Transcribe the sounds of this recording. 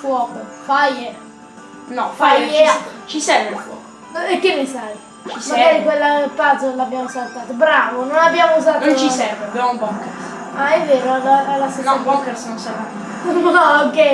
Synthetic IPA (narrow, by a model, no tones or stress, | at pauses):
fwɔːkofaje | nɔfajet͡ʃisɛɾveelfwɔ̰ːko | ekːemːisaj | t͡ʃismaaːɾikwelːapad̪zolabːjaːmosalt̪aːt̪obɾaːvononabjaːmouzaːtnõnt͡ʃisɛɾveabjamumbɔkɛɾs | aɛvːeːɾoaaɛlːasenbɔkɛɾsnonseɾa | ɔokːɛ